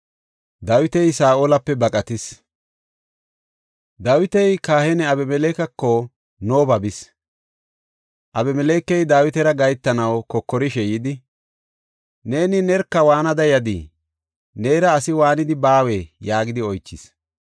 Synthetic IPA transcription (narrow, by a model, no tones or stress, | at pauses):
d̪aːwɪt̪ɛjsaːʔolɐpːɛbɐkʼɐt̪ɪs | d̪aːwɪt̪ɛjkaːhɛnɛɐbɛmɛleːkɐkːɔ | noːbɐbɪs | ʔɐbɛmɛleːkːɛjd̪aːwɪt̪ɛɾɐɡɐjt̪ːɐnɐwkɔkːɔɾɪʃɛjɪd̪ɪ | ne̞ːnɪnɛɾkːɐwaːnɐd̪ɐjɐd̪ḭ | neːɾɐːsɪwaːnɪd̪ɪbaːwejaːɡɪd̪ɪɔjt͡ʃːɪs